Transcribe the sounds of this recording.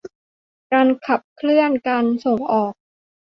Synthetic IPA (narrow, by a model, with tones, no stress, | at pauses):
kaː˧nkʰa˨˩p̚kʰlɯ˥˩ənkaː˧nso˨˩ŋʔɔː˨˩k̚